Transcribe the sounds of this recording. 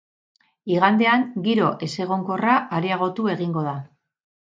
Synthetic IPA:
iɣand̪e̞aŋɡiɾo̞ʔe̞se̞ɣ̞o̞ŋko̞raaɾiaɣ̞o̞t̪ue̞ɣiŋɡo̞ð̞a

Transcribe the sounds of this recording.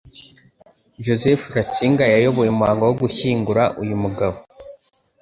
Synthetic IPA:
ʒozefɾat͡ʃiːŋɡajajoβojimuhaːŋɡowoɡuʃiːŋɡuɾaʔujumuɡaβo

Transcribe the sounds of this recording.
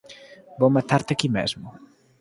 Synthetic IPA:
bomat̪aɾt̪ɪakimḛzmʊ

